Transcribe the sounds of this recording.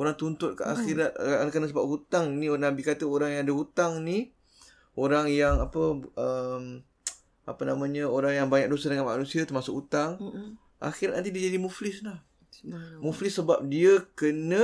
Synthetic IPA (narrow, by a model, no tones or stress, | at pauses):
oɾaŋt̪unt̪ʊt̪̚kəʔaxiɾat̪̚kənəsəbap̚hut̪aŋnĩnabikat̪əoɾaŋjaŋadəɦut̪aŋni | oɾaŋjaŋapəʔəm | a̰pənamãɲəoɾaŋjaŋbaɲak̚dosadəŋanma̰nũsiat̪ərmasʊkut̪aŋ | ʔa̰xiɾat̪̚nãnt̪idid͡ʒadimuflɪslah | muflɪsːəbap̚diəkənə